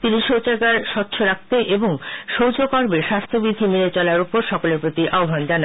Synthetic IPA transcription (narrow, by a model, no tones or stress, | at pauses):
t̪iniʃowt͡ɕaɡaɾʃɔt̪ːɕʰoɾak̚t̪eʔeboŋʃowd͡ʑokɔɾbeʃast̪ʰobid̪ʱimiɾet͡ɕɔlaɾupoɾʃɔkoleɾpɾot̪iʔaobʱand͡ʑana